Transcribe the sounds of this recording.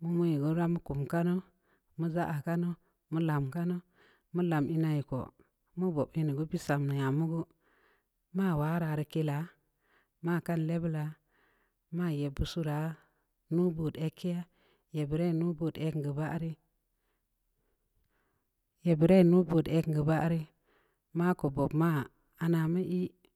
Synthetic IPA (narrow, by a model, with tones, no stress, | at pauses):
mu˦mu˦ji˨ɡo˦ɾa˦mu˦ku˨mka˦no˦ | mu˦za˦ʔa˨ka˦no˦ | mu˦la˨mka˦no˦ | mu˦la˨mi˦na˦ji˨ko̰˨ | mu˦bo˨bi˦ni˨ɡu˦bi˦sa˨mnə˨ja˨mu˦ɡu˦ | ma˦˨wa˨˦ɾa˨ɾi˦ke˦la˨ | ma˦˨ka˦nle˦bla˨ | ma˦˨je˨bu˨su˦ɾa˨ | nu˦bu˨de˦kːe˦ja˦ | je˨bi˨ɾe˦˨nu˦bo˨de˦kɡə˨ba˦ɾi˦ | je˨bi˨ɾe˦˨nu˦bo˨de˦kŋ˨ɡə˨ba˦ʔɾi˦ | ma˦ko˨bo˨bma˦ | a˨na˨mə˦ʔi˦